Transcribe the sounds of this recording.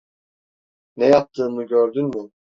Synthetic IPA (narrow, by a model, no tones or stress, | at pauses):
nɛjap̚t̪ʰːɯːmɯɟøɾd̪ynmy